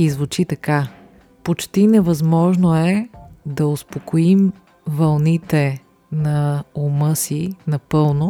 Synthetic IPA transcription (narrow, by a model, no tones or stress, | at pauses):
izvʊt͡ʃit̪ɐka | pot͡ʃt̪inɛvɐzmɔʒnoɛd̪ɐʊspokoim | vɐlˠnit̪ɛ | nɐomɤsinɐpɤlˠno